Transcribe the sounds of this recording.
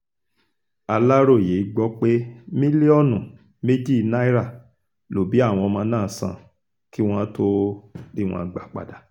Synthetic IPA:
a˧la˦ɾo˦˨je˨˦i˦ɡ͡bɔ˦k͡pe˦mĩ˦li˦ɔ˦˨nũ˨ | me˦d͡ʒi˦˨na˦i˦ɾa˦˨ | lo˨bi˨˦a˦˨w̃ɔ̃˧mãː˧˦nãː˦˨sã̰˨ | ki˦w̃ɔ̃˦to˦di˦w̃ɔ̰̃˧ɡ͡ba˨k͡pa̰˨da˨

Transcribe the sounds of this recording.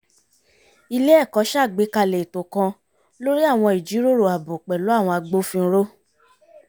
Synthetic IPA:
i˧le˦ɛ˦˨kɔ˨˦ʃa˦˨ɡ͡be˨˦ka˧le˨tõ˨kã˧ | lo˦ɾi˦a˦˨w̃ɔ̃˧i˨d͡ʒi˨˦ɾo˦ɾo˨a˨bo˨k͡pɛ˨lo˨˦a˦˨w̃ɔ̃˧a˧ɡ͡bo˦fĩ˧˦ɾo˦

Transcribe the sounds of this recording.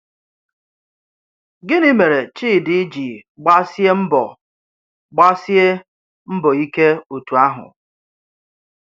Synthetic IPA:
ɡɪ˦nɪ˦me˨ɾe˨t͡ʃiː˦˨dɪ˦d͡ʒi˨ɡ͡ba˦sje˦m̩˦bɔ˨ | ɡ͡ba˦sje˦ | m̩˦bɔ˨i˦ke˦o˨tu˨a˦ɦʊ̰˨

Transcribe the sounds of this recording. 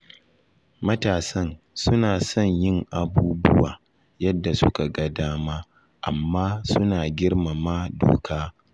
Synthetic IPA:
mɐ˦taː˨sɐ˦n | sʊ˦naː˨sɔ˦ɲjɪ˦ŋʔa˨buː˦bʊ˦wa̰ː˨ | jɐ˦dːa˨sʊ˦ka˨ɡɐ˦daː˦maː˦ | ʔa̰˨mːaː˦sʊ˦naː˨ɡʲɪ˦ɽma˨ma˦do̰ː˨kʰaː˦

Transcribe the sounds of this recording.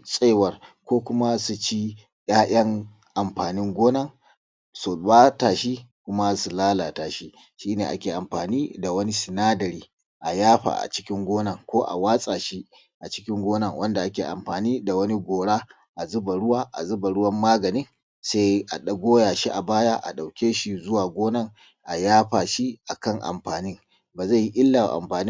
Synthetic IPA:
sʼeː˦wɐ˨rkʷoː˦kʷʊ˦ma˦su˨t͡ʃi˦ | j̰aː˦j̰ɐ˦ŋ | ʔa˨mɸaː˨nɪ˦ŋɡʷoː˦nɐ˦˨ŋ | sʊ˨waː˦taː˨ʃi˦kʷʊ˦ma˦su˨laː˦la˨taː˨ʃi˦ | ʃiː˦neː˨ʔa̰˦kʲeː˨ʔa˨mɸaː˨niː˦da˨wɐ˦ni˦sɪ˨naː˦dɐ˨ɾiː˨ | ʔa˨jaː˦ɸa̰˨ʔa̰˨t͡ʃɪ̥˦kʲɪ˦ŋɡʷoː˦nɐ˦˨ŋkʷoː˦ʔa̰˨waː˦sʼaː˨ʃi˦ | ʔa˨t͡ʃɪ̥˦kʲɪ˦ŋɡʷoː˦nɐ˦˨ŋwɐ˦nda˨ʔa˦kʲeː˨ʔa̰˨mɸaː˨niː˦da˨wɐ˦ni˦ɡʷoː˨ɽa˦ | ʔa˨zʊ˦ba˨ɽʊ˦waː˦ʔa̰˨zʊ˦ba˨ɽʊ˦wɐ˦mːaː˦ɡɐ˨nɪ˦ŋ | sa˦jʔa̰˨ɗɐ˦ɡʷoː˦jaː˨ʃi˦ʔa˨baː˦jaː˦ʔa̰˨ɗa˨wkʲeː˦ʃi˦zʊ˦waː˨ɡʷoː˦nɐ˦ŋ | ʔa˨jaː˦ɸaː˨ʃi˦ʔa˨kɐ˦ŋʔa̰˨mɸaː˨nɪ˦ŋ | baː˨za˦˨ji˦ʔɪ˦lːa̰˨ʔa̰˨mɸaː˨ni˦

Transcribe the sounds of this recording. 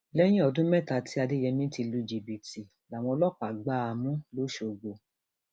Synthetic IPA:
lɛ˦j̃ĩ˦ɔ˧dũ˦mɛ˦˨ta˧˨tʰi˦a˧de˦jɛ˧mĩ˦ti˧lu˧d͡ʒi˨bi˨ti˨ | la˨w̃ɔ̃˧lɔ˦˨k͡pa˨ɡ͡ba˦a˧mũ˦lo˦ʃo˧˨ɡ͡bo˧

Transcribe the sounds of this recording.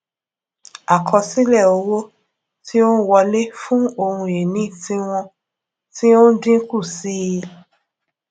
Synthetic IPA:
a˨kʰɔ˧si˦lɛ˦˨o˨˧wo˦ | ti˦o˦n˦wɔ˧le˦fũ˦o˧hũ˧e˨nĩ˨˦ti˦w̃ɔ̃˧ | ti˦o˦n̩˦dĩ˦ku˦˨si˦˧˦

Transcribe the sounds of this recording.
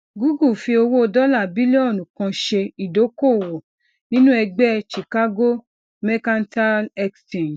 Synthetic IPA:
ɡu˦ɡu˦˨fi˧o˧wo˦o˧dɔ˦la˦˨bi˦le˦ɔ˦˨nũ˨kã˧ʃe˧i˨do˨˦ko˦˨wɔ˨ | nĩ˦nũ˦ɛ˧ɡ͡bɛ˦ʃi˨ka˦ɡo˦ | mɛ˦kã˦n˦ta˦lɛ˦kstĩ˨n

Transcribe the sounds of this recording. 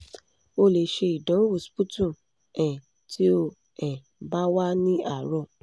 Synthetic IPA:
o˧˨le˨ʃe˧i˨dɔ̃˨˦wu˦˨spu˦tũ˦˨ | ɛ̃˨ | tʰi˦o˧ | ɛ̃˨ | ba˦wa˦nĩ˦a˦˨ɾɔ̃˧˨

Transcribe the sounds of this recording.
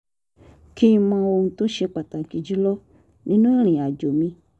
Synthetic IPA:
ki˦˧mã˧wo˧ŋ̩̃˧to˦ʃe˧k͡pa˨ta˨ɡi˨d͡ʒi˦lɔ˦ | nĩ˦nũ˦ɾ̃ĩ˨a˨d͡ʒo˨mĩ˧

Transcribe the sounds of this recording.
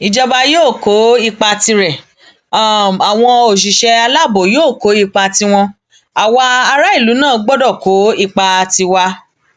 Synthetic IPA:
i˨d͡ʒɔ˧ba˧joː˦˨ko˨˦i˦˧˨k͡pa˧ti˧ɾɛ˨˦˨ | a˨w̃ɔ̃˧o˨ʃ̬i˨ʃɛ˧a˧la˦˨bo˨joː˦˨ko˨˦i˧˨k͡pa˧ti˧w̃ɔ̃˧ | a˨wa˧a˧ɾa˦i˦˨lu˨˦nãː˦˨˧ɡ͡bɔ˦dɔ˦˨ko˨˦i˦˧˨k͡pa˧ti˧wa˧

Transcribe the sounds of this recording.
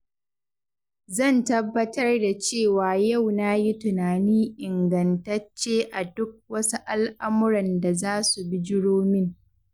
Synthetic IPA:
zɐ˦˨ntɐ˦bːɐ˦tɐ˦rda˨t͡ʃeː˦˨waː˨jɐ˦˨wnaː˦ji˦tʊ˨naː˨niː˦ʔɪ˨ŋɡɐ˨ntɐ˦t͡ʃːeː˦ʔa˨dʊ˦k̚wɐ˦su˦ʔa˦lʔa˦mʊ˦ɾɐ˨nda˨zaː˦su˨bi˦d͡ʒɪ˦ɽoː˦mɪ˦ŋ

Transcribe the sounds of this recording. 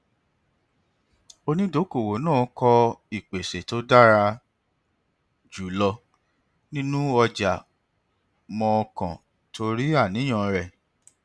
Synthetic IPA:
o˧nĩ˦do˨˦ko˦˨wo˨˦nãː˦˨˦kʰɔ˧i˦˨k͡pe˨se˨to˨˦da˦˨ɾa˧ | d͡ʒu˨˦lɔ˧ | nĩ˦nũ˦ɔ˧d͡ʒa˨ | mɔ̃˧kã̰˨ | tʰo˧ɾi˦a˦˨nĩ˨˦ɔ̃˦˨ɾɛ˨

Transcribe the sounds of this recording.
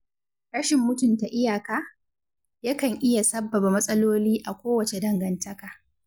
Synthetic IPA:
ɽɐ˦ʃɪ˨mːʊ˦tʊ˨nta˨ʔɪ˦jaː˨kaː˦ | ja˦kɐ˨ŋʔɪ˦ja˨sɐ˦bːɐ˨ba˨mɐ˦sʼɐ˦loː˦liː˦ʔa˨kʷoː˦wɐ˨t͡ʃe˨dɐ˦ŋɡɐ˨ntɐ˦kaː˨

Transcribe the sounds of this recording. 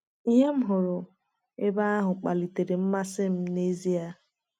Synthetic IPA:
i˦ɦe˦m̩˦ɦʊ˨ɾʊ˨ | e˦ba˦a˦ɦʊ˨k͡pa˨li˨te˨ɾe˨m̩˦ma˦sɪ˦m̩˦ne˦zi˦a˦

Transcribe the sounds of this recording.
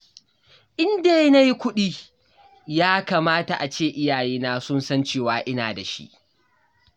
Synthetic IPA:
ʔɪ˦ndeː˦jna˦ji˦kʷʊ˦ɗiː˦ | jaː˦kaː˨maː˦ta˨ʔa˨t͡ʃeː˦˨ʔɪ˦jaː˨jeː˦naː˦sʊ˦nsɐ˦nt͡ʃeː˦˨waː˨˦ʔɪ˦na̰ː˨da˨ʃḭ˦ʔ

